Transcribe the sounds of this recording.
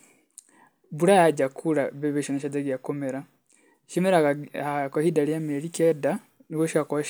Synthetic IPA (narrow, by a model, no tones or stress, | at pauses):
buɾajaɟakʰuɾaβeβeʃonaʃad͡zaɡijakomeɾa | ʃemeɾakahidalijameɾikɛda | niɡwoʃako